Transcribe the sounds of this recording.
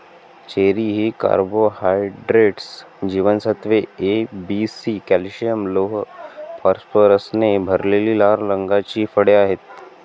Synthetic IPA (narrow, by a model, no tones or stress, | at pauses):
t͡ʃeːɾiɦika̰ːɾboːhaːɪɖɾeːʈs | d͡ʒiːʋənsɐt̪ʋeeːbiːsiːkɛːlʃijəmloːɦpʰaːɾspəɾəsnebʱɐɾlelilaːɾlɐ̃ŋɡaːt͡ʃiːfəɽjaːɦɪt̪